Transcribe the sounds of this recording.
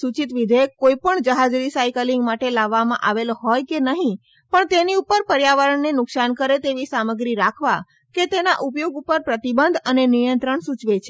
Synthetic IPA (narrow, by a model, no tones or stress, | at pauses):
sut͡ʃit̪ʋid̪ʱekːoipəɳd͡ʒəɦad͡ʒɾisajkəliŋɡmaʈelaʋːamã̰ʔaʋeloɦɔjkenəɦĩ | pəɳt̪eniupəɾpəɾjaʋaɾəɳːenʊksankəɾet̪eʋisaməɡɾiɾakʰʋa | ket̪enaʔupjoɡupəɾpɾət̪ibənd̪ʱənenijə̃nt̪ɾəɳsut͡ʃʋet͡ʃʰe